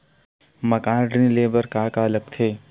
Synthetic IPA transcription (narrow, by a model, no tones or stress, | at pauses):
mɐkãːnɖɾĩnleːbəɾkaːkaːlək̚t̪ʰeː